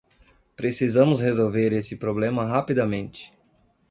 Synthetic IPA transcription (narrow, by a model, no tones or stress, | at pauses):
pɾesizɐ̃mʊshezowveɾesɪpɾoblẽmɐɦapid̪ɐmẽnt͡ʃɪ̥